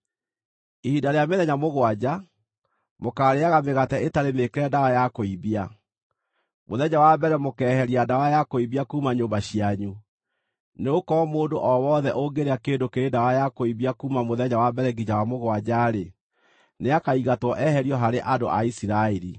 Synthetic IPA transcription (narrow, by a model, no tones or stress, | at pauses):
ihidaɾeameðɛɲamoɣwad͡ʑa | mokaːɾeaɣameɣatɛʔetaɾemekeɾɛdawajakoiβia | moðɛɲawabɛɾɛmokɛːhɛɾiadawajakoibiakuːmaɲoːmbaɕiaɲu | neokɔmoːndoʔɔwɔðɛʔoɡeɾeakeːndokeɾedawajakoiβiakumamoðɛɲawabɛɾɛɡiɲawamoɣwad͡ʑaɾe | neakaiɣatwɔʔɛhɛɾiɔɦaɾeʔado̰ʔa̰isiɾaeɾi